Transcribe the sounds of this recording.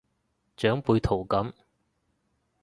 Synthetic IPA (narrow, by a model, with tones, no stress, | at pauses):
t͡ʃœː˨˥ŋpuː˨˧jt̪ʰo˨˩wkɐ˨˥m